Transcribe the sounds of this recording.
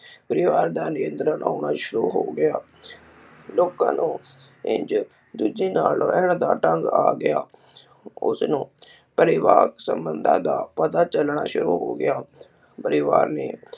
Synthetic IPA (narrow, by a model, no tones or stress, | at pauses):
pəɾɪʋaːɾd̪aːnɪənt̪ɾəna̰ːɳaːʃʊɾuːɦoːɡɪaː | loːkã̰ːnũː | ɪ̰ɲt͡ʃ | d̪ud͡ʒiːnaːlɛɳd̪aːʈəŋɡaːɡɪaː | ʊ̰snũː | pəɾɪʋaːksə̰mbənd̪ʱã̰ːd̪aːpət̪aːt͡ʃəlɳaːʃʊɾuːɦoːɡɪ̰aː | pəɾɪʋa̰ːɾnḛː